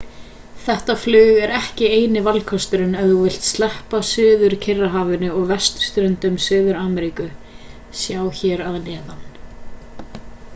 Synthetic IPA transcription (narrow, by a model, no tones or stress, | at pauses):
θɛht̪aflʏːɣɛɾɛhcɪeːjnɪvalkʰɔst̪ʏɾɪnɛnðuvɪl̥t̪st̪lɛhpasʏːðʏɾcʰɪrːaɦaːvʏnʏɔɣvɛst̪st̪ɾœnt̪ʏmsʏːðʏɾaːmɛɾikʏ | sjaːwçɛːɾaðnɛːðan